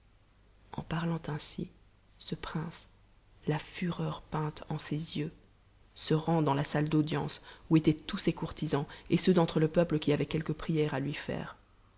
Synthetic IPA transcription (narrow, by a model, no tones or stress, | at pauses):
ɑ̰̃paʁlɑ̃t̪ɛ̃sḭ | səpχɛ̃s | lafyʁœʁpɛ̃t̪ɑ̰̃sezjø | səʁɑ̃d̪ɑ̃lasald̪od̪jɑ̃suet̪ɛt̪usekuʁt̪izɑ̃esød̪ɑ̃t̪χələpœpləkʲiavɛkʲɛlkəpχijɛʁalɥifɛ̰ːʁ